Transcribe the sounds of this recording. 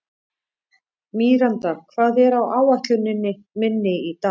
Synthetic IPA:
miːɾant̪akʰvaːðɛɾawʔaːwaht̪lʏnːɪnːɪ | mɪnːɪit̪a

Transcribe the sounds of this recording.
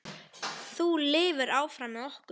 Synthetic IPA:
θulɪːvʏɾaːwfɾamɛɔhk

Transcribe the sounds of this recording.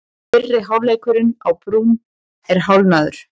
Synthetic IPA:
fɪrːɪɦawleːjkʏɾɪnawpɾuːm | ɛɾ̥ɦawlnaðʏɾ̥

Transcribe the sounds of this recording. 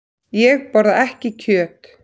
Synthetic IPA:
jɛɣpɔɾðaʔɛhcɪcʰœːt̪

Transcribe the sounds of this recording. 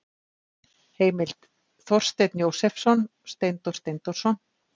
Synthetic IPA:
heːjmɪlt̪ | θɔr̥st̪ejt̪njowsɛfsɔnst̪ejnt̪ɔr̥st̪ejnt̪ɔr̥sɔn

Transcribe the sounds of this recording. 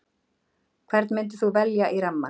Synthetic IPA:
kʰvɛɾt̪nmɪnt̪̬ɪθuvɛljaʔiɾamːa̰

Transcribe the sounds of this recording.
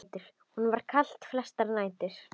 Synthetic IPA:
t̪ɪɾ̥ | hunvaɾ̥kʰal̥t̪flɛst̪aɾnaːjt̪ɪɾ̥

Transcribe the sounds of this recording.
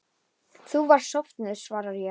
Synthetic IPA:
θuvaɾ̥sɔft̪nɪð̥svaːɾaɾjɛ

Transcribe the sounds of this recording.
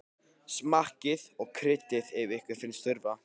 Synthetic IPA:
smahcɪðɔɣkʰɾɪt̪ːɪðɪvɪhkvɪɾ̥θɪnst̪ʏɾva

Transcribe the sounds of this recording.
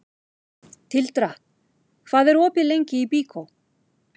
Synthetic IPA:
t̪ʰɪlt̪ɾa | kʰvaːðɛɾɔːpɪlejɲcɪipiːkʰow

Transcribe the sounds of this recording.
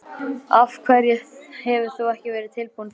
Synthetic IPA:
av̥kʰvɛɾjɛhɛvʏθowɛhcɪvɛːɾɪðt̪ʰɪlpun

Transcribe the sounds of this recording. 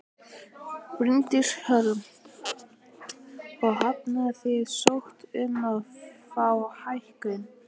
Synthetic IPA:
pɾɪnt̪ɪɾ̥hœɾʏm | ɔɣhapnaθɪðsowht̪ʏnːaðfaːwhajhkʏn

